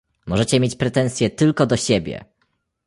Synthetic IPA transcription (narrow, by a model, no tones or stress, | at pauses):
mɔʐɛt͡ɕɛmʲjet͡ɕpɾɛt̪ɛñsʲjɛt̪ɘlkɔd̪ɔɕɛbʲjɛ̰